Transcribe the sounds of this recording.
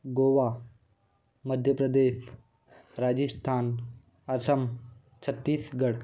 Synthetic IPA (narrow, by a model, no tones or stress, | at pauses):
ɡoʋa | məd̪ʱjəpɾəd̪eːs | ɾad͡ʑist̪ʰaːn | ɐsəm | t͡ɕʰət̪ːiːsɡəɽ